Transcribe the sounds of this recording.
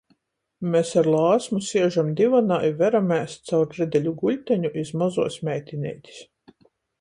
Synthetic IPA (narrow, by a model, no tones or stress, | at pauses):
mʲɛsaɾlˠɑːsmusiɛʒamd̪ivanaːjvæɾamæːst̪̚ʲsawɾɾɛd̪ʲɛlʲuɡulʲt̪ʲɛɲuʔizmazuɔsmʲɛjt̪ʲinʲḛjt̪ʲi̥s